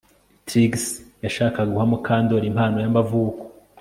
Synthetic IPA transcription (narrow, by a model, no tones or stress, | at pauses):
tʰiɡsjaʃaːkaɡuhamukʰaːndo̞ɾimhaːno̞jambavuːko̥